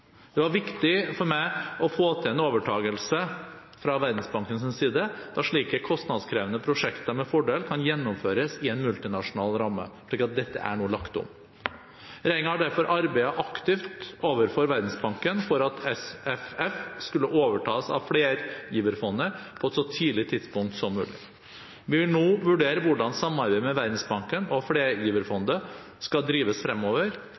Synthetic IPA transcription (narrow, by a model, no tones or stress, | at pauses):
d̪̥ɛʋɑɾʋɪkt̪ɪfɔɾmæɪɔfoːt̪ʰɪlɛnoːʋəʈʰɑːɡəlsə | fɾɑʋæɾd̪n̩sbɑŋkəns̬ɪnsiːd̪əd̪̥ɑʂɭiːkəkʰɔst̪nɑd̪skʰɾeːʋənəpʰɾʊʂɛkt̪ɑmɛfɔɖeːlkʰɑnjɛnːʊmføːɾəsɪɛnmʉlt̪ɪnɑʂʊnɑːlɾɑmːə̰ʂɭiːkɑt̪̚d̪ɛt̪ːə̰ʔæ̰ɳuːəlɑkt̪ʊ̰m | ɾæɪɪŋəɑɖæɾfɔɾʔɑɾbæɪɑʔɑkt̪ɪft̪oːʋəɾfɔɾʋæɾd̪n̩sbɑŋkənfɔɾɑt̪ʰɛsɛfɛfskʉlːəʔoːʋəʈʰɑːsɑ̰ʋfleːɾjiːʋəɾfɔnːəpʰɔɛt̪sɔt̪ʰiːlɪt̪ʰɪd̪spʊŋk̚t̪sɔmːʉ̰ːlɪ̰ | ʋɪʋɪlnoːʋʉɖeːɾəʋʊɖɑnsɑmːnɑɾbæɪəmɛʋæɾd̪n̩sbɑŋkənɔfɽeːɾjiːʋəɾfɔnd̪ə | skɑld̪ɾiːʋəsfɾɛmːoːʋəɾ